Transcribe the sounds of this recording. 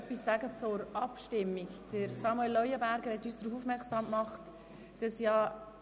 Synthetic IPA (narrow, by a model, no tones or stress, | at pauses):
pːisːæɡət͡sʊɾɑpʃtɪmːikd̥əɾsɑmuelːœʏəbæɾɡəɾhɛt̪ːyːsd̥ɾuːfufmɛɾksɑːmkmɑχt | d̥ɑsjɑ